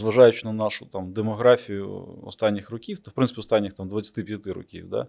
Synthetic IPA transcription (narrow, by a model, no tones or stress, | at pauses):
zʋɐʒajʊt͡ʃɪnɐnɑʃʊt̪amd̪emɔɦɾafʲijʊ̰ɔ̰st̪anʲːɪxrɔkʲiwt̪fpɾɪnɪpʲiɔst̪anʲːɪxt̪amd̪ʋɐt͡sʲːɐ̥t̪ɪpʲjɐt̪ɪɾɔ̰kʲḭwd̪a̰